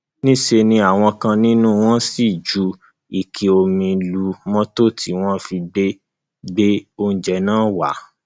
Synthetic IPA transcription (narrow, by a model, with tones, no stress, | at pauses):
nĩ˦ʃe˧nĩ˧˦a˦˨w̃ɔ̃˧kã˧nĩ˦nũ˦w̃ɔ̃˦si˦˨d͡ʒu˨˦ | i˨kʰi˨o˧mĩ˧lu˧mɔ̃˦to˦˨tʰi˨˦w̃ɔ̃˦fi˧ɡ͡be˦ | ɡ͡be˦o˦˧n̩˨d͡ʒɛ˨˦nãː˦wa˨˦